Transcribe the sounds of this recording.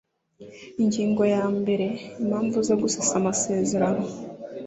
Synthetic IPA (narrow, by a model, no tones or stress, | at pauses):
iɲɟiːŋɡo̞jaːmbe̞ɾe̞imhaːɱvuzoɡusasamase̞ːze̞ɾano̞